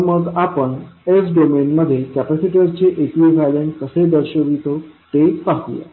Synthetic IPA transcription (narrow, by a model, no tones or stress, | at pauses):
məɡapəɳesɖomenməd̪ʱːjekɛpæsiʈəɾt͡ɕeʔekʋiɡʱalenkəsed̪əɾɕəʋit̪oʈ̪epaɦuja̰